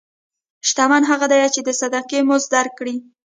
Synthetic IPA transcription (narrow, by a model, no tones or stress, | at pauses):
ʃt̪amanɦaɣad̪ajat͡ʃed̪əsad̪aqemʊzd̪aɾkːɽi